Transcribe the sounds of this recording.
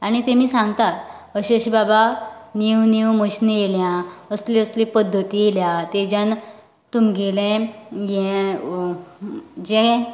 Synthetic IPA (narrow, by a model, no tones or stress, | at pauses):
aɽ̃it̪emiːsãŋɡt̪at̪ | əɕeɕibabaniwniwməɕnejeljãəsliəslĩpəd̪ʱːət̪ijeljãt̪ed͡ʑan | t̪umɡelɛ̃jɛ̃ | d͡ʑɛ̃